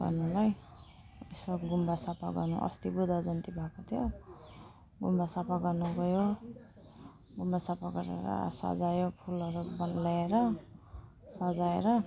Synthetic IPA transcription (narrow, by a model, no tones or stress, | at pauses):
ɡʌ̰rnulaj | esoɡumbasapaɡʌrnṵʔʌ̰st̪ibud̪ʱad͡zʌnt̪ibʱakot̪ʰijo | ɡumbasapaɡʌrnuɡʱʌjo | ɡumbasapaɡʌɾḛɾʌ̰sa̰d͡zajopʰulʌɾubʌnlaeɾʌ | sad͡zaeɾʌ